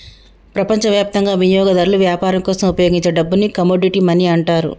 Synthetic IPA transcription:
pɾɐpɐɲt͡ʃɐʋjaːp̚t̪ɐŋɡaːʋijɔːɡɐd̪ɐɾluʋjaːpaːɾɐŋkɔːsɐmupɐjo̞ːɡiɲt͡ʃeɖɐbːunːikɐmoːɖiʈimɐniɐɳʈaːɾṵ

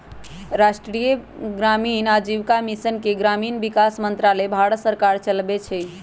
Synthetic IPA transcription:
ɾasʈɾijəɡɾaminad͡ʒiwkamisənkeɡɾaminbikasmənt̪ɾalebʱaɽsəɾkaɾt͡ʃəlbet͡ʃʰɛ

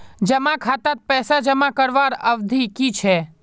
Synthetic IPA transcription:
d͡ʒəmakʰat̪ət̪̚pɛːsad͡ʒəmakəɾʋaɾəʋd̪ʱikit͡ʃʰɛ

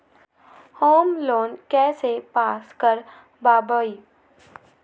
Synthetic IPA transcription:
hoːmloːnkɛːsepaːskəɾ | baːboːi

